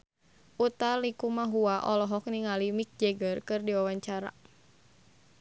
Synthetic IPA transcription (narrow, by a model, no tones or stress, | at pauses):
ʔut̪alikumaɦuaʔɔlɔɦɔk̚niŋalimik̚d͡ʒɛɡərkɨrdiwawaɲt͡ʃaɾa̰